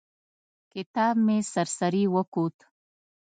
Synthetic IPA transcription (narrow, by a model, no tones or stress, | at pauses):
kɪt̪ɑbmesaɾsaɾiwəkut̪